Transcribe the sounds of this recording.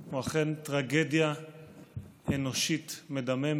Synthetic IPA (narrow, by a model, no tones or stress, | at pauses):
uaχentʁaɡedja | eno̞ʃitme̞d̪amem